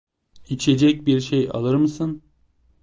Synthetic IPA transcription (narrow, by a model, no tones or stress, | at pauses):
it͡ʃʰed͡ʒɛc̚biɾʃeja̰lˠɯɾmɯsɯn